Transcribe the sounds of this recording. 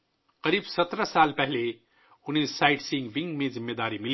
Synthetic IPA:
qɐɾiːbsɐt̪ɾəsaːlpɛɦle | ʊnẽsaːɪʈsĩŋɡʋɪ̃ŋɡmẽzɪmːeːd̪aːɾimɪl

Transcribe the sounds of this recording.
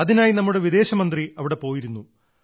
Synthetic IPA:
ɐðinaːjinɐmːuɽe̞ʋid̪e̞ːɕɐmɐnd̪riɐʋiɽe̞po̞ːjiɾunːu

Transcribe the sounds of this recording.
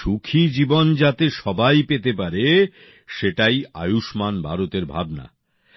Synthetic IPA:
ʃukʰid͡ʑibond͡ʑat̪eʃɔbajpet̪epaɾe | ʃeʈaja̰juʃmanbʱa̰ɾot̪eɾbʱa̰bna̰

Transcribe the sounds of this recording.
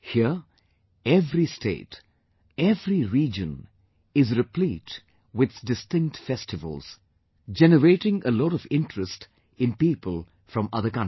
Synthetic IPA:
hiə | ɛvɾistʰḛːt | ɛvɾiɾiːd͡ʒə̰̃n | ɪzɾɪpliːt | wɪð̥dɪstɪ̃ŋk̚tfɛstɨvə̰lˠz̥ | d͡ʒɛnəɾeɪʈɪ̃ŋəlɔɾɔvɪ̃ntʰɹəst | ɪ̃npiːpəlˠ | fɾʌ̃mʌðəkʌ̃n

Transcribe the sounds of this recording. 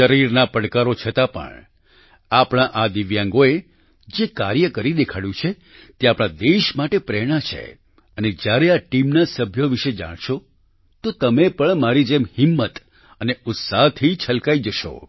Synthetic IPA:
ʃəɾiɾnapəɽkaɾot͡ʃʰət̪apə̰ɳ | apɽ̃aʔad̪iʋjãŋɡoe | d͡ʒekaɾjəkəɾid̪ekʰaɽjũt͡ʃʰe | t̪eapɽ̃ãd̪eʃmaʈepɾɛɽ̃at͡ʃʰḛ | əned͡ʒjaɾeaʈimnasəbʱjoʋiʃed͡ʒa̰ɽ̃ʃo | t̪ot̪əmepəɳmaɾid͡ʒemhɪmːət̪ | əneʊt̪saɦt̪ʰit͡ʃʰəlkaid͡ʒəʃo̰

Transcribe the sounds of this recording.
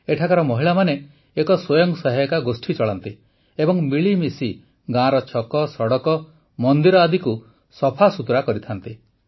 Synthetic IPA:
eʈʰakaɾɔmɔɦiɭamane | ekɔswɔjɔŋsɔɦajkaɡosʈʰit͡ʃɔɭant̪i | ebɔŋmiɭimisi | ɡãɾɔt͡ʃʰɔkɔsɔɽɔkɔ | mɔnd̪iɾɔad̪iku | sɔpʰasut̪ɾakɔɾit̪ʰant̪i

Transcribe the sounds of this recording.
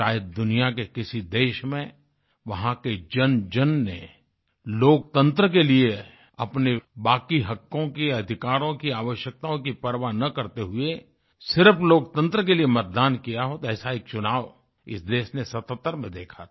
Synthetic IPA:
ʃaːjəd̪̚d̪ʊnijak̬ekɪsid̪eːʃmẽ | ʋɐɦãked͡ʒɐnd͡ʒɐnːe | loːk̚t̪ə̃nt̪ɾəkelie | ɐpnebaːkiɦɐkːõkiɐd̪ʱɪkaːɾõkiaːʋəʃjək̚t̪aõk̬ipɐɾʋanɐkɐɾt̪eɦʊe | sɪɾəfloːk̚t̪ə̃nt̪ɾək̬eliemɐt̪̚d̪aːnkijaɦot̪ɛːsaeːk̚t͡ʃʊnaːʋ | ɪ̰sd̪eːʃnesɐt̪ət̪ːəɾmẽd̪eːkʰa

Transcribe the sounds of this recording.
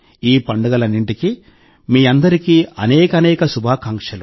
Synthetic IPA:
iːpɐɳɖɐɡɐlɐnːiɳʈiki | miːɐnd̪ɐɾikiɐnɛːkɐnɛːkɐsubʱaːkɐŋkʂɐlu

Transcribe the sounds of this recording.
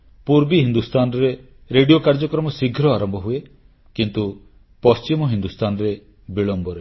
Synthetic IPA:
puɾbiɦind̪ust̪anɔɾe | ɾeɖijokaɾd͡ʒɔkɾɔmɔsiɡʱɾɔaɾɔmbʱɔɦue | kint̪u | pɔst͡ʃimɔɦind̪ust̪ʰanɔɾe | biɭɔmbʱɔɾe

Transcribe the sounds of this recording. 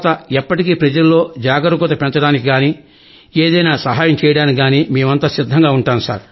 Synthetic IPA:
t̪ɐɛpːɐʈikiːpɾɐd͡ʒɐlulːo̞ːd͡ʒaːɡɐɾukɔt̪ɐpɛnt͡ʃɐɽaːnikiɡaːni | eːd̪ɐjnaːsɐɦaːjɐmt͡ʃɛːjɐɽaːniɡaːniːmeːmɐnt̪asid̪ʱːɐŋɡaːuɳʈaːnusa̰ːɾ

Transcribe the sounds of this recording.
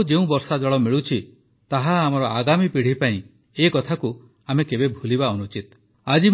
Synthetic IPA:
d͡ʒeũbɔɾsad͡ʒɔɭɔmiɭut͡ʃʰi | t̪aɦaːmɔɾɔʔaɡamipiɽ̤ipaĩ | ekɔt̪ʰaku | amekebebʱulibaɔnut͡ʃit̪ | ad͡ʒi

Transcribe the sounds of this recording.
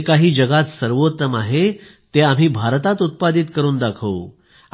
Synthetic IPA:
kaɦiːd͡ʑəɡat̪səɾʋot̪ːəmaɦet̪eam̤iːbʱaɾt̪at̪ut̪̚pad̪it̪kəɾuːnd̪akʰəu

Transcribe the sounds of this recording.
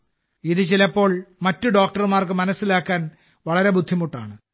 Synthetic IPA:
iðɨt͡ɕilɐpːo̞ːɭmɐtːuɖo̞ːk̚ʈɐrmaːrkɨmɐnɐsːilaːkːaːn | ʋɐɭɐɾe̞bud̪ʱːimuʈːa̰ːɳɨ

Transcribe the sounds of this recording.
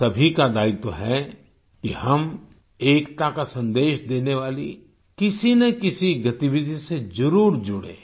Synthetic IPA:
sɐbʱikad̪aːɪt̪oɦɛ | kihɐm | eːkt̪akasɐ̃nd̪eːʃd̪eːneʋaːlḭ | kɪsinɐkɪsiɡɐt̪iʋɪd̪ʱised͡ʒɐɾuːɾd͡ʒʊɽḛ̃ː

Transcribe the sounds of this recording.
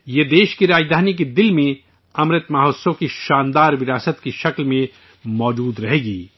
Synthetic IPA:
jed̪eːʃkiɾaːd͡ʒd̪ʱaːnik̬ed̪ɪlmẽ | ɐmɾɪt̪maːɦoːsõkiʃaːnd̪aːɾʋɪɾaːsət̪kiʃɐklmẽ | mɔːd͡ʒuːd̪ɾɐɦeːɡiː

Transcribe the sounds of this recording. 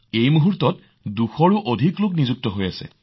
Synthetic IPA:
ejmuɦuɹtɔt | duxɔɹuʔodʱiklʊknizuk̚tɔɦojasɛ̰

